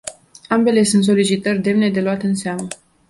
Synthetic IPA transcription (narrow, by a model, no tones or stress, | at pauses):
ambe̞le̞sunt̪s̬o̞lit͡ʃit̪ərʲd̪e̞mne̞d̪e̞luat̪ɨnseamə